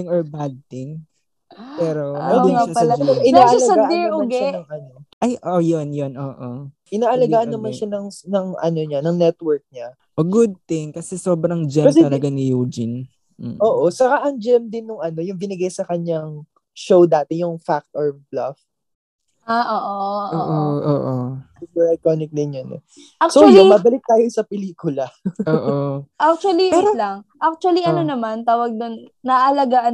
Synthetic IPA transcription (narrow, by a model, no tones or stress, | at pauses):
ɪŋoɹbad̪̚t̪ɪŋ | pɛːɾomɐɪʃaɐlɐɐʔɪnaːʔɐlɐɡɐɡaːʔʃanɐŋʔɐno̞ʔajʔojonjonʔoːʔo | ʔɪnaːʔɐlɐɡɡaːʔɐnːɐmɐnʃanɐŋnɐŋʔɐ̰no̞ɲanɐŋnɛt̪wɛɹk̚ɲa | ʔoɡʊd̪̚t̪ɪŋkɐsɛsoːbɾɐŋd͡ʒɛkɐsɛɐlɐɡanɪjuːd͡ʒɪn̩ | ʔoːʔo̞sɐkaʔɐŋd͡ʒɛmd̪ɪnːʊŋʔɐno̞jʊŋbɪnɪɡajsɐkɐɲːaŋ | ʃowd̪aːt̪ɛjʊŋfak̚t̪ʔoɹblɐf | ʔaːʔoːʔoʔoʔoʔoʔo̰ːʔo | ɪbɐlɐjk̪onɪk̚d̪ɪnjonʔɛ̰ | asojomɐbɐlɪk̚t̪aːjosɐpɛliːkʊlɐoːʔoʔak̚t͡ʃuɐliolɐŋʔak̚t͡ʃuɐliʔɐnonɐmant̪aːwɐɡ̚d̪onːɐʔɐlɐɡaʔɐ